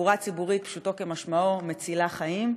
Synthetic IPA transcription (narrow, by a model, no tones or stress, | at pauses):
uʁat͡sibuʁit̪̚pʃut̪o̞kemaʃmaomet͡silaχajim